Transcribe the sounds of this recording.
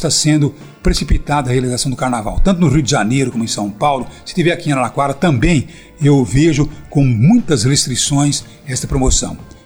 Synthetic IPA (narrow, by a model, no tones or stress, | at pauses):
t̪asẽnd̪ʊ | pɾesipit̪ad̪ɐhealizasɐ̃w̃d̪ʊkaɾnava̰wt̪ɐ̃nt̪̬ʊnʊʁiwd̪ɪʒanejɾʊkõmʊẽj̃sɐ̃w̃pawlʊsɪ̥t̪ivɛɾakĩnalakwaɾɐt̪ɐ̃mbẽj̃ | ewveʒʊkõw̃mũj̃t̪ɐshest̪ɾisõj̃s | ɛst̪ɐpɾomosɐ̰̃w̃